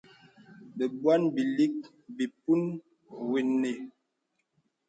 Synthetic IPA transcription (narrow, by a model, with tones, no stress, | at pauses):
bə˨bwa˦nbi˨li˦k̚ | bi˨pu˦n | we˨ne˨